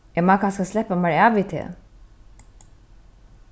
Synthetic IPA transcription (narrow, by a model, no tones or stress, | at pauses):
ɛmaːkʰanskaslɛhpːamaɹaːʋit̪ʰḛ